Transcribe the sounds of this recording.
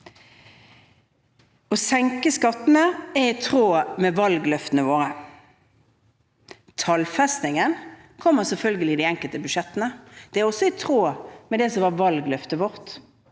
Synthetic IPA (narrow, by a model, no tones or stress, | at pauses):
ɔsɛŋkəskɑt̪nəɛʁɪt̪ʰʁoːmɛʋɑlɡlœft̪nəʋoːʁə | t̪ʰɑlfɛst̪nɪŋən | kʰɔmːəʁsɛlfœlɡəlɪd̪ɪɛŋkəlt̪əbʉʃɛt̪ːənəd̪̥ɛæʁɔsɔɪt̪ʰʁoːmɛd̪ɛsɔʋɑʋɑlɡlœft̪əʋɔʁt̪